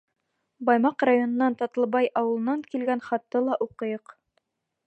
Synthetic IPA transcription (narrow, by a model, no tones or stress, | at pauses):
bɑjmɑqrajonɤ̆nɑnt̪ɑt̪ɤ̆lˠβɑjɑwɤ̆lˠɤ̆nɑŋkilɡænχɑt̪ːɤlˠɑʔuqɤ̆jɤq